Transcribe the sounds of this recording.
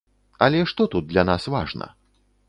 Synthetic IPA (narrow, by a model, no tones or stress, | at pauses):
ɐlʲɛʂt̪ɔt̪ud̪̚d̪lʲɐnasvaʐnɐ̰